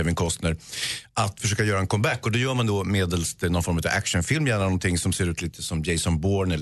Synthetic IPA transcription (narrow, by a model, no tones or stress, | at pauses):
ɛvɪnkʰɔst̪nəɾʔat̪fœʂøːkajœːɾaɛnkʰɔmbækːɔd̪ɛjœːɾmand̪ɔmeːd̪əlsɔnfɔɾmʉːt̪a̰væ̰kʂənfɪlmjæːɳanɔnt̪ʰɪŋːsɔmseːɾʉ̟ːt̪liːt̪ʰəsɔmjɛɪsɔnboːɳɛl